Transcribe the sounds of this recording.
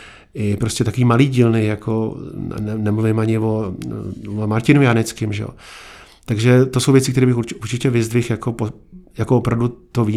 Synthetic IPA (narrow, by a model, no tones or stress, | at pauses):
ʔɪpɾoscɛt̪akoiːmaliːɟilnɪjakʰoɛnɛmluvɪmʔaɲɪvo | vomaɾcɪnojanɛt͡skɪmʒɛ̰o̰ | t̪aɡʒɛt̪o̞so̞wvjɛt͡sɪkt̪ɛɾiːbɪxuuɾt͡ʃɪcɛvɪzd̪vɪxjako̞pojakoopɾavdut̪oviː